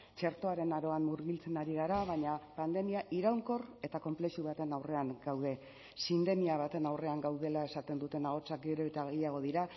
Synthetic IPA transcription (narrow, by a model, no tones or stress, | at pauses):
t͡ʃe̞ɾt̪o̞aɾe̞naɾo̞anmuɾɣilt͡se̞naɾiɣ̞aɾaβaɲapand̪e̞miaʔiɾawŋko̞re̞t̪ako̞mple̞ʃuβ̞at̪e̞nawre̞aŋɡawð̞e̞ | sind̪e̞miaβ̞at̪e̞nawre̞aŋɡawð̞e̞lae̞sat̪e̞nd̪ut̪e̞naɣo̞t͡sak̚ɡeɾeβet̪eaɣeʎaɣ̞o̞ðiɾa